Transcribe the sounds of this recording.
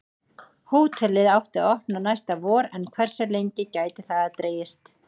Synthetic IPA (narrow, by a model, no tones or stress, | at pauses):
huːt̪ʰɛlɪðawht̪ɪɔhpnanajst̪avɔːɾɛnkʰv̥ɛr̥saɾlejɲcɪcaːjt̪ɪθaðat̪ɾeːjɪst̪